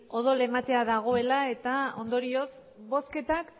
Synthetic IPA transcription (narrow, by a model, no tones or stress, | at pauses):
o̞ð̞ole̞mat̪e̞aðaɣ̞o̞e̞lae̞t̪ao̞nd̪o̞ɾio̞s | βo̞ske̞t̪ak